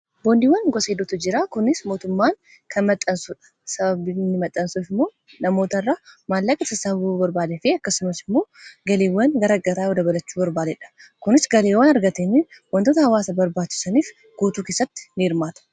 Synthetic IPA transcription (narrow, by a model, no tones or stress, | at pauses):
boːnd̪iːwːɐnɡɔseːd̪ʊt̪ʊd͡ʒɪɾaːkʊnːɪsmoːt̪ʊmːaːŋ | kʰɐnmɐt̪ʼːɐnsʊᶑɐ̥sɐbɐbɪnːɪmɐt̪ʼːɐnsuːfɪmːo̞ː | nɐmo̞ːt̪ɐrːaːmaːlːɐkʼɐsɐsɐbɐbubɐɾbaːd̪ɛfɪɐkːɐsɪnɐsɪmːo̞ːɡɐleːwːɐnɡɐɾɐɡɐɾaːjod̪ɐbɐlɐt͡ʃːuːbɐɾbaːd̪ɛᶑɐ̥kʊnɪsɡɐleːwanɐɾɡɐt̪eːniwɐnt̪oːt̪ɐhɐwaːsɐbɐɾbaːt͡ʃːɪ̥sɐniːf | ɡ̥uːt̪uːke̞ːsːɐt̪ːɪ̥nɪɪɾmaːt̪ɐ̥